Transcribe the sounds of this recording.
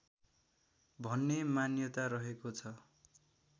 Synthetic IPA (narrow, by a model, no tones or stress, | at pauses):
bʱʌnːemanjʌt̪aɾʌɦekot͡sʰʌ